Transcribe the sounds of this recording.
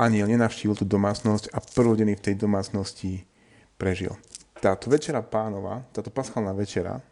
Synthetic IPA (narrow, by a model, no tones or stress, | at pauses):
ʔaɲiɛlɲɛnaʊʃciːʋilˠt̪uːd̪ɔmaːt͡snɔscapr̩ɔɟɛnift̪ɛjd̪ɔmaːt͡snɔsci | pɾɛʒḭlt̪aːt̪ɔʋɛt͡ʃɛɾapaːnɔʋa̰ːt̪aːt̪ɔpasxalnaːʋɛt͡ʃɛɾa̰